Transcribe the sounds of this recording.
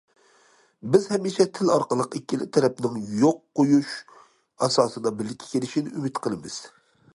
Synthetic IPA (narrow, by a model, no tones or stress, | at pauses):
bɪzhɛmːiʃɛt̪ʰɪlɑɾqəlˠəqekʲːilɪ̰t̪ʰɛɾɛp̚nɪŋjoqːojuʃ | ɑsɑːsɨd̪ɑbɪlːɪkʲʰːe̥ɛ̥kʲʰelɪʃinɪʔymɪt̪qʰəlˠɨmɨz̥